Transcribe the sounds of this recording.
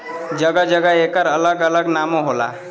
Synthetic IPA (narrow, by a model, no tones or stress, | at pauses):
d͡ʒəɡəd͡ʒəɡəekəɾələɡələɡnamoɦola̰